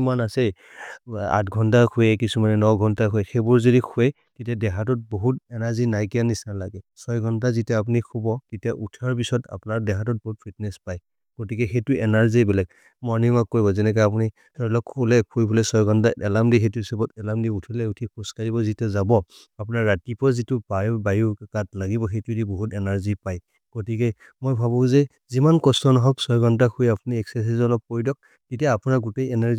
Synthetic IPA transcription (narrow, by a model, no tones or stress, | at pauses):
manasej | a̰tɡʱɔntakʰujɛkisumanɛnɔwɡʱɔntakʰojxebuɹzodikʰue | titiadɛɦʰatɔt̚boɦutɛnaɹzinajkijanisnalaɡɛsɔjɡʱɔntazitɛap̬unikʰubɔtitiaʔutʰaɹpisɔta̰pnaɹdɛkʰatɔt̚bɔɦut̚pʰitnɛspaj | ɡ̥otikɛxetuɛnaɹzibɛlɛk̚ | mɔɹnimakːoɹjbɔzɛnɛk̬ɔap̬uni | tɔɹlɔkʰːulɛkʰujbɔlɛsɔjɡɔntaɛlamdixetuisɔbɔtɛlamdiutʰilɛutʰipʰuskaɹibɔzitɛzabɔ | apʊnaɹːatipɔzitubabajukatlaɡibɔxejtudiboɦutɛnaɹzipaj | ɡ̥otikɛ | mojbʱaβɔ̃zɛ | zimankɔstɔnɔɦɔksɔɹɡɔntakʰujapuniɛksɛs̬izɔnɔk̚pɔjdɔk̚ | titijaːpunaɡutejɛnaɹz